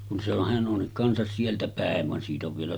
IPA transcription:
kun se on hæn ʔon kɑnsɑs sieltæ pæˑeʋ ʋɑn siːt oʋ ʋielæ

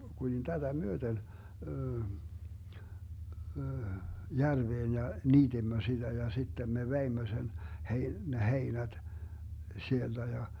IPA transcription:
kulin tætæ myøten jærʋeːn jɑ niːd̥imːø sid̥æ jɑ sitːem me ʋeimːø sen hei ne heinæd̥ sield̥æ jɑ

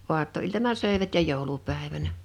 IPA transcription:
oɑtːoiltɑnɑ søˑeʋæt jɑ joˑulupæˑeʋænæ

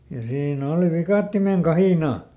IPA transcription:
jɑ siːn oˑli ʋikɑˑtːimeŋ kɑhiˑnɑˑ

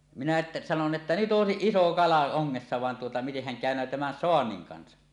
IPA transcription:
minæ ʔetːæ sɑnon etːæ nyt ʔoˑesiʔ iso kɑlɑ oŋːesːɑ ʋɑn tuotɑ mitehːæn kæˑønˑøː tæmæn soɑnːiŋ kɑnsɑ

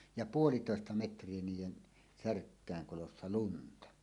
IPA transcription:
jɑ puolitoˑestɑ metrˑie niːjˑen særkːæˑeŋ kolosːɑ luntɑ

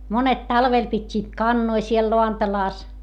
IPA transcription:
monet tɑlʋel pitʲːiːt kɑnːoi siel loɑntɑlɑˑs

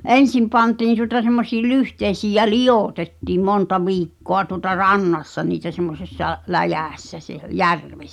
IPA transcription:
ʔen̞sim pɑntiːn tuŏtɑ semːosiː lyhteisiːj̆ jæ lij̆oˑtetːiːm montɑ ʋiːkːoɑ tuŏtɑ rɑnːɑsːɑ niːtæ semːosesːɑ læjæˑsːæ seh jærʋesːæ̥

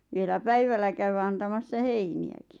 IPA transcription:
ʋielæ pæiʋælːæ kæywæ ɑntɑmɑsːɑ heiniæki̥

